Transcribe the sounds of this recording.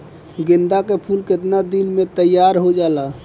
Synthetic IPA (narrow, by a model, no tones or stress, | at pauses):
ɡend̪akepʰulket̪nad̪inmet̪əjːaɾɦod͡ʒala